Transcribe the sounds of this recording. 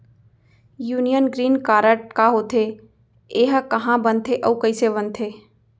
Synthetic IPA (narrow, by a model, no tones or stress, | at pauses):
juːnijənɡɾiːnkaːɾəʈ̚kaɦoːt̪ʰe | eɦkəɦãbənt̪ʰeʔɔːkəɪseβənt̪ʰeː